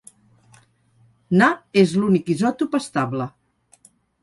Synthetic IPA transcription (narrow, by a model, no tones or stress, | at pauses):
naezlunikizɔt̪upəst̪ablə